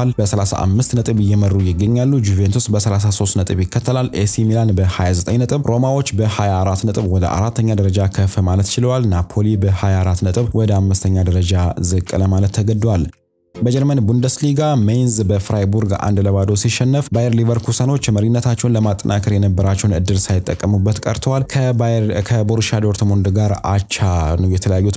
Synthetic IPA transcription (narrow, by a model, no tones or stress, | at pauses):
lbəsəlasa̰ʔa̰mːɨst̪nət̪ʼɨβɨjːɛmərːujɪɡːəɲːalːud͡ʒuvent̪ʰusbəsəlas̬aso̞st̪nət̪ʼɨβjɪkːət̪ʰːəlalːesimilanbəhajazət̪ʼəɲnət̪ʼɨβɾʔo̞mawo̞t͡ʃːbəhajaɾat̪nət̪ʼɨβwɔd̪ə̰ʔa̰ɾat̪ʰːəɲːad̪əɾəd͡ʒakʰəfɨmalət̪t͡ʃɪlwalnapʰolibəhajaɾat̪nət̪ʼɨβwʔɔd̪əamːɨst̪ʰəɲːad̪əɾəd͡ʒazɨkʼːɨləmalət̪ʰːəɡəd̪wal | bəd͡ʒɛɾmənbund̪əsliɡamejnzbəfɾajbuɾɡa̰nd̪ləβad̪osiʃɛnːɨfbajɛɾlivəɾkʰusəno̞t͡ʃːməɾinːət̪ʰat͡ʃːɛwnləmat̪ʼːə̰nʔakʰəɾjɛnəbːəɾat͡ʃːɛwnɨ̰d̪ːɨlsajɪt̪ʼːəkʼːəmubːət̪kʼə̰ɾt̪ʰəwalkʰkʰəboɾʃad̪o̞ɾt̪ʰmond̪ɡaɾa̰t͡ʃːanəwjɛt̪ʰələjajːut̪